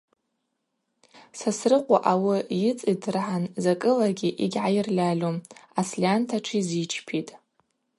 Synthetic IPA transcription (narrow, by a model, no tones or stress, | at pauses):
sasrɨqʷʼa̰ʔawijɪt͡sʼidrħanzakʼɨlaɡʲiʔiɡʲʕajɪrlʲalʲomaslʲiantʰaʈ͡ʂʷʰizit͡ʃʰpʰitʼ